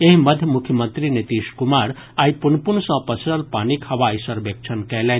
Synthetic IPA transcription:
eɦimɐd̪ʱjəmukʰjəmənt̪ɾinit̪iːʃkumaɾ | aːjpunpuɳ̃sɔ̃pɐsʰɾəlpaːnikhɐʋaːjsɐɾbek̚t͡ʃʰənkɛle

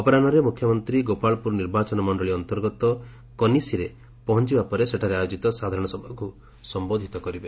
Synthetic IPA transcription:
ɔpɔɾanɔɾemukʰjɔmɔnt̪ɾiɡopaɭɔpuɾniɾbat͡ʃɔnɔmɔɳɖɔɭiɔnt̪ɔɾɡɔt̪ɔ | kɔnisiɾe | pɔɦɔnt͡ʃibapɔɾeseʈʰaɾeajod͡ʒit̪ɔsad̪ʱaɾɔɽ̃ɔsɔbʱɔku | sɔmbod̪ʱit̪ɔkɔɾibe

